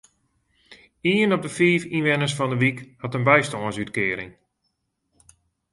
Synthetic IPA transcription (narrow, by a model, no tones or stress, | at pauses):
iənɔp̚dəfiːfinʋɛnəsfɔndəʋikhɑtənbɛjstɔənsytkɪːɾɪ̰ŋ